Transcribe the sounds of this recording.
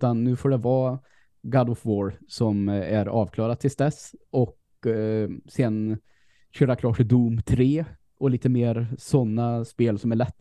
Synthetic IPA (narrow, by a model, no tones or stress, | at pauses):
t̪anːʉ̟ːfoːɖɛvɑː | ɡad̪ɔfvoːɾsɔmæɾɑːvkʰlɑːɾad̪̚t̪ʰːɪlsd̪ɛsɔk | sɛn | ɕøːɾakʰlɑːʈɪd̪uːmt̪ʰɾeː | ɔliːt̪əmeːɾsɔnːaspeːlsɔmæɭɛt̪ː